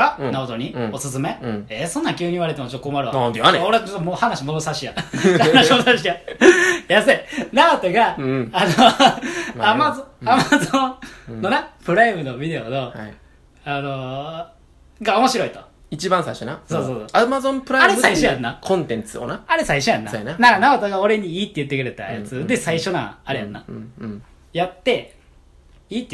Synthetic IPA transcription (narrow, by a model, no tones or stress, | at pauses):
anaot̪oɲ̟io̞sɨsɨmẽesõ̞nːãkʲɨːɲ̟iβaɾet̪emot͡ɕot̪ːkomaɾɯaãnd̪oɾet͡ɕot̪ːomohanaɕimod̪o̞saɕijahanaɕimod̪saɕ̬ija | jasɨnaot̪oɡaːno | amaamazõnːo̞nepɯ̟ɾaimɯ̟nobʲid̪e̞ono̞a | ano̞ | ɡao̞mo̞ɕiɾo̞it̪o | it͡ɕibãsaiɕonaso̞ːsoːsoːamazõmpɯ̟ɾaaɾe̞saiɕojanːakʰõnt̪ẽ̞nt͡sɨo̰naaɾe̞saiɕo̞ja̰nːa̰jananaɾanaot̪oɡao̞ɾe̞ɲ̟iiːt̪ːejɯ̟t̪ːe̞kɯ̟ɾe̞t̪a̰ja̰t͡sɨd̪e̞saiɕo̞na̰aɾeja̰nːa | jat̪ːe̞ | iːt̪ːe